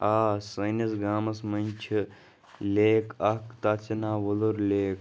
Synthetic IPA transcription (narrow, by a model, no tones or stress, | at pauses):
aːsɐnɐsɡaːmɐsmɐnʲt͡ʃʰi | leːkɐkt̪aːt͡sʰɐnaːʋɐluɾlʲeːk